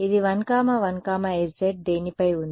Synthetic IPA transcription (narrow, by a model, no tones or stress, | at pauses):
id̪iʋɐnkaːmɐʋɐnkaːmɐeɾd͡ʒeʈ̚d̪eːnipɐjund̪i